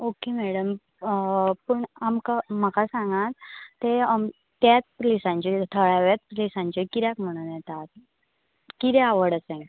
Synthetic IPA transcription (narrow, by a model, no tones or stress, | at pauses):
okemɛɽəm | pəɳamkam̤akasãŋɡãt̪ːeam | t̪jat͡splisãɲt͡ɕet̪ʰəɭaʋat͡spɾlisãɲt͡ɕekiɾjakm̤əɽ̃unjɛt̪at̪̚ | kit̪ɛaʋəɽəsẽ